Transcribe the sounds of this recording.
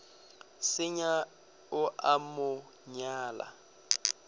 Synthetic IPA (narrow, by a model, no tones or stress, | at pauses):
sɪɲa | ʊʔamʊ | ɲaːla̰